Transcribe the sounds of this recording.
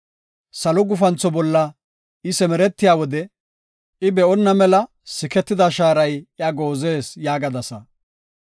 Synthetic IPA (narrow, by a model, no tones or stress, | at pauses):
sɐlɔɡʊfɐnt͡sːɔbɔlːɐ | ɪsɛmɛɾɛt̪ːɪjaːwɔd̪ɛ | ɪbɛɔnːɐmɛlɐ | sɪkɛt̪ːɪd̪ɐʃaːɾɐjjɐɡo̞ːze̞ːsjaːɡɐd̪ɐsɐ